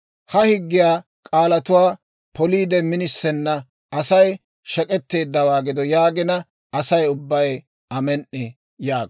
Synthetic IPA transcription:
hɐhɪɡːɪjaː | kʼaːlɐt̪ʊwaː | pʰɔliːd̪ɛmɪnɪsːɛnːɐ | ɐsɐj | ʃɛkʼɛt̪ːe̞ːd̪ːɐwaːɡɪd̪ɔjaːɡɪnɐ | ɐsɐjʊbːɐjɛ | ɐmɛnːɪ | jaːɡ

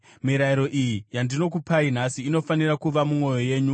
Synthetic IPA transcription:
miɾaiɾo̞ʔijijandino̞k̬upain̤asiːno̞fanirakuʋamumo̞jo̞je̞ːɲu

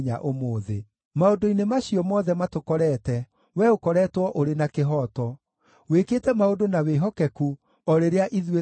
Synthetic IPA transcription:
ɲaʔomoːðḛ | maodoinemaɕiɔmɔðɛmatokɔɾɛːtɛ | wɛokɔɾɛːtwɔʔoɾenakeɦɔːtɔ | wekeːtɛmaodonaweɦɔkɛku | ɔɾeɾeaʔiðwe

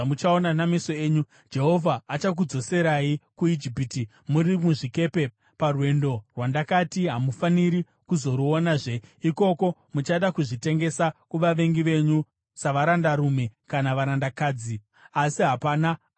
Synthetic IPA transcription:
mut͡ʃao̞nanamiso̞e̞ːɲu | d͡ʒe̞ɦo̞vʱaːt͡ʃak̬ud͡zo̞se̞ɾaikuid͡ʒipiːti | muɾimuʐike̞ːpe̞ | parwe̞ndo̞rwandakatiɦamufaniɾi | kuzo̞ɾuonaːʐe̞iko̞ko̞mut͡ʃaɗakuʐite̞ŋɡe̞sakuʋaʋe̞ŋɡiʋe̞ɲu | saʋaɾandaɾume̞kanaʋaɾandakaːd͡zi | asiɦapaːna

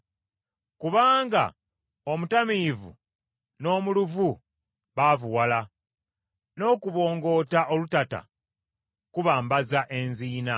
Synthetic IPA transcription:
kuβaːŋɡa̰ | o̞mutamivṵ | no̞ːmuluvu | βavuwala | no̞ːkuβo̞ːŋɡo̞ːtaʔo̞lutata̰ | kuβaːmbazaʔe̞nziːna

